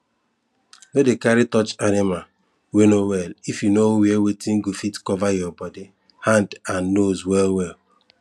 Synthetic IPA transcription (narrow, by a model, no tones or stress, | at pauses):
dodekaɾitɔt͡ʃanɪma | wenowɛlifjunowewetiŋ̩ɡufitkɔvajɔbɔdi | hãndanːozwɛlwɛl